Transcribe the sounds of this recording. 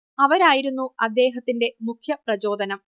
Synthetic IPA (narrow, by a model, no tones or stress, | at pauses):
ɐʋɐɾaːjiɾunːuɐd̪ːe̞ːɦɐt̪ːinde̞mukʰjɐprɐt͡ɕo̞ːd̪ʱɐnɐm